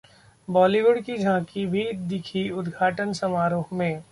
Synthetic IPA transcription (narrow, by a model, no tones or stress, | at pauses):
bɔːliʋʊɖkid͡ʒʱãːkibʱid̪ɪkʰiʊd̪ɡʱaːʈənsɐmaːɾoːɦmẽː